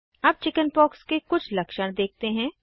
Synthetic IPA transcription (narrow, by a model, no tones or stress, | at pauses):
ɐb̚t͡ʃɪkənpɔːkskekʊt͡ʃʰlɐkʃəɽ̃d̪eːk̚t̪eɦɛ̃ː